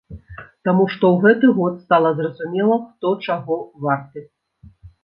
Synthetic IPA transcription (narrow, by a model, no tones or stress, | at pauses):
t̪amuʂt̪ɔwɣɛt̪ɨɣɔt̪st̪alˠɐzrɐzumʲɛlˠɐxt̪ɔt͡ʂaɣɔvart̪ɨ